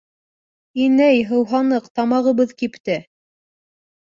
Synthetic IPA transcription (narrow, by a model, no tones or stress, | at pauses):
inæjɦɤ̆wɦɑnɤqt̪ɑmɑʁɤ̆βɤðkipt̪ɘ